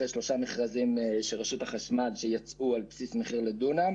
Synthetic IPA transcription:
eʃlo̞ʃameχʁazimʃeʁeʃut̪haχaʃmadʃejat͡sʔualpsismeχiʁled̪una

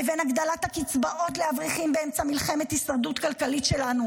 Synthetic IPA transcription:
evenaɡd̪alat̪hakit͡sbaʔo̞t̪lehavʁiχimbeemt͡samilχe̞met̪hisaʁd̪ut̪kalkalitʃe̞lanu

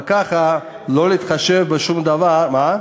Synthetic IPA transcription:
kaχa | loliːt̪χaʃevbəʃumd̪avaɾma

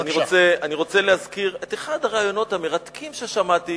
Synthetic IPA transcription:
aniot͡seaniʁo̞t͡selehazkiʁet̪eχad̪aʁaːjo̞no̞t̪hameʁat̪kʰimʃeʃamat̪i

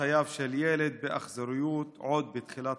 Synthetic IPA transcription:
ajaːvʃeljeːled̪̚beʔa̰χzaɾɪjuːt̪ʕod̪̚bɪt̪χilat̪

